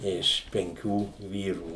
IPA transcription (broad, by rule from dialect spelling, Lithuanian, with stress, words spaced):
ˈɪʃ pʲɛŋʲˈkʲuː ˈʋʲiːruː